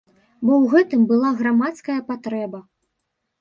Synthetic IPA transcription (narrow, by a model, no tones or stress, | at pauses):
bɔwɣɛt̪ɨmbɨlˠaɣɾamat̪skɐjɐpat̪ɾɛbɐ